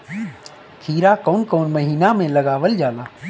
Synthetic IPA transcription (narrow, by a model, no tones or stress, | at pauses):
kʰiːɾakoːnkoːnməɦiːnamẽlɐɡaːʋəld͡ʒaːlaː